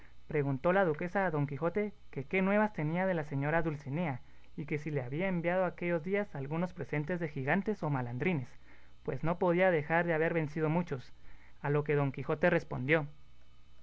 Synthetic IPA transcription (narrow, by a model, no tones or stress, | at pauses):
pɾe̞ɣunt̪o̞lað̞uke̞saːðo̞ŋkixo̞t̪e̞ | ke̞ke̞nwe̞β̞ast̪e̞niað̞e̞lase̞ɲo̞ɾaðulsinea | ike̞sile̞aβiaembjað̞o̞ake̞ʝo̞zðiasalɣuno̞spɾe̞se̞nt̪e̞zðe̞xiɣant̪e̞so̞maland̪ɾine̞s | pwe̞zno̞po̞ð̞iað̞e̞xaɾðe̞aβe̞ɾβe̞nsið̞o̞mut͡ʃo̞s | alo̞ke̞ðo̞ŋkixo̞t̪e̞re̞spo̞̰nd̪jo̞